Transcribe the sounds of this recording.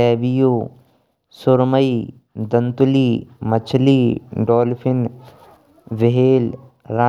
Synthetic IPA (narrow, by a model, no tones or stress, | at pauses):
ɛːbijoː | sʊɾməi | d̪ɐnt̪ʊliːmɐt͡ʃʰliːɖɔːlpʰɪn | ʋɪɦeːl | ɾaː